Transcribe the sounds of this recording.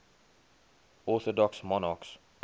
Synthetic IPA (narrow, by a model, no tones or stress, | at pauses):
ɔːθɔdɔksmɔnɑks